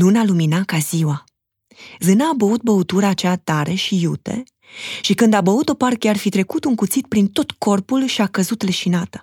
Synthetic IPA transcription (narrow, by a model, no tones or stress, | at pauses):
lunaluminakaziwa | zɨnaːbəut̪̚bəut̪uɾaːt͡ʃat̪aɾe̞ʃijut̪e̞̰ | ʃikɨnd̪abəut̪o̞parkearfit̪ɾe̞kut̪uŋkut̪sit̪̚pɾint̪o̞t̪ko̞rpulʃiakəzut̪leʃinat̪ə̥